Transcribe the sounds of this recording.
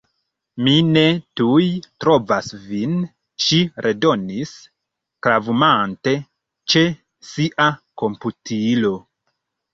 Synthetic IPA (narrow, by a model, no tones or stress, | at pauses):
mine̞tujtɾo̞vasvin | ʃiɾʔe̞do̞nis | kɾavumante̞ | t͡ʃe̞ | siʔako̞mputʰilo̞